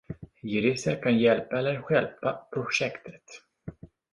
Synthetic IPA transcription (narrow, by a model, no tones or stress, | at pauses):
jʏɾɪsəɾkʰanjɛlpaɛlːəɾɧɛlpapʰɾʊʂɛkt̪ʰə̥t̪